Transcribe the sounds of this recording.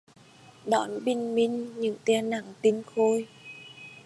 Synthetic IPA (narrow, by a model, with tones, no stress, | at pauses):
ɗɔ˧˩˦nɓï˧˩ŋ̟mï˧ŋ̟ɲɨ̰˧˥˦ŋt̪ɛ˧na̰˧˩˨ŋt̪i˧ŋxo˧j